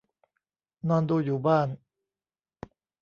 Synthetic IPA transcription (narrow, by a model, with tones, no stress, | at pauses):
nɔː˧nduː˧juː˨˩baː˥˩n